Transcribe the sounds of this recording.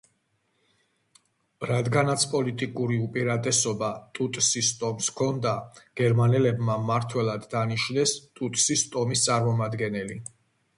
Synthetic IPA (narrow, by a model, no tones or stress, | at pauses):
ɾad̪ɡanat̪sʰpʼɔlit̪ʼikʼuɾiupʼiɾat̪ʼɛsɔbat̪ʼut̪ʼsist̪ʼɔmskʰɔnd̪aɡ̥ɛɾmanɛlɛbmamaɾt̪ʰwɛlˠad̪ːaniʃnɛst̪ʼut̪ʼsist̪ʼɔmist̪sʼaɾmɔmad̪ɡɛnɛli